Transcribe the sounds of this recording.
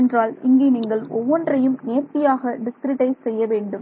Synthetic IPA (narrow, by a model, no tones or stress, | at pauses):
ndraːlɪ̰ŋɡeniːŋɡɐɭɔʋːɔndrɐjɯmneːɾt̪ɪjaːɣɐɖɪskɾɪʈɐɪssɛjːɐʋeːɳɖɯm